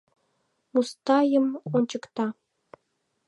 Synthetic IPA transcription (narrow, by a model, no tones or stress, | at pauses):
must̪ɑjə̆monʲt͡ɕɤ̆kt̪ɑ